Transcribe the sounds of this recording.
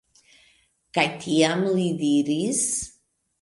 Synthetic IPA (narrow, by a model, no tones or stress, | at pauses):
kajt̪ʰiamlid̪iɾis